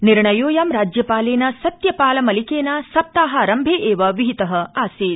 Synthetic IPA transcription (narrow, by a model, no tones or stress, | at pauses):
niɾɳɐjoːjaːmɾaːd͡ʒjɐpaːleːnɐsɐt̪jɐpaːlɐmɐlikeːnɐsɐp̚t̪aːɦɐːɾɐmbʱeːʔeːʋɐʋiɦit̪ɐɦɐaːsiːt̪